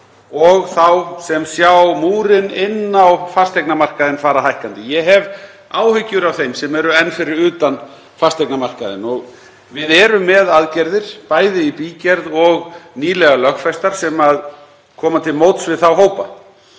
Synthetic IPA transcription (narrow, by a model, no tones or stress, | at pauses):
ɔɣθawsɛmsjawmuːɾɪnɪnːawfast̪ʰejknamar̥kaðɪnfaːɾaɦajhkant̪ɪjɛɦɛv | aːwhʏcːʏɾavθejmsɛmɛɾʏɛnːfɪɾɪɾʏːt̪an | fast̪ejknamar̥kaðɪ̰nɔɣ | vɪðɛːɾʏmːɛðaðcɛɾðɪɾ̥paːjðɪipiːcɛɾðɔɣniːlɛɣalœxfɛst̪aɾ̥sɛmað | kʰɔːmat̪ʰɪlmowt̪svɪðθawɦoːwpa